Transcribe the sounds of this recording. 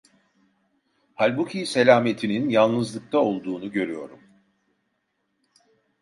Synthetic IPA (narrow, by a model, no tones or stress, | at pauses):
halʲbucʰise̞lʲaːme̞t̪ʰininjalˠnɯzlˠɯk̚t̪ʰao̞lˠd̪uːnuɟø̞ɾyjo̞ɾum